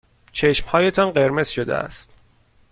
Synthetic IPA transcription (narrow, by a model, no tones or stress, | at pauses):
t͡ʃʰeʃmhɒːje̞t̪ʰɒnɢe̞ɾme̞z̥ʃod̪ḛæ̰st̪